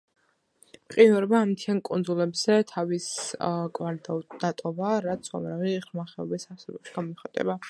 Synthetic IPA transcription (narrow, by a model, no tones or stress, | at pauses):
mqʼiɔɾɛbaːmt̪ʰiankʼund̪zulɛbz̥ɛt̪ʰaviskʼwaɾd̪d̪̥at̪ʼɔvaɾat̪sʰua̰mɾaviʁɾmaχɛɔ̰bisaɾsɛbɔpʃi̥ɡamɔχat̪ʼɛ̰ba